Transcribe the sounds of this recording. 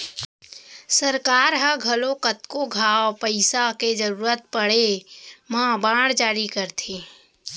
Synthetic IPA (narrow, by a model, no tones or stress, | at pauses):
səɾkaːɾɦəɡʱɐlokət̪koɡʱaːopəɪsaked͡ʒəɾuːɾət̪̚pəɽ̤emãbãːɽd͡ʒaːɾikəɾt̪ʰẽː